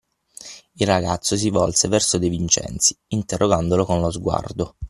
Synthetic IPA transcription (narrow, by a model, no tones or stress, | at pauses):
ilrːaɡat̪sːos̬ivɔlsevɛrsod̪evint͡ʃɛ̰nt̪si̥int̪erːoɡand̪olokonlozɡwa̰rd̪o